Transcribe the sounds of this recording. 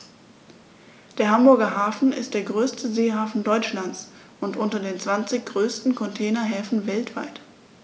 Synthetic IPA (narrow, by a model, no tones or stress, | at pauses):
d̥eːɐɦambʊɐɡɐɦaːfn̩ɪ̰st̚d̥eːɐɡʁøːstʰəzeːhaːfn̩dɔʏt͡ʃlant͡s | ʔʊntʔʊntɐdeːnt͡sv̥ant͡sɪçɡ̥ʁøːstn̩kʰɔntʰɛːnɐɦɛːfn̩vɛltv̥a̰ɪt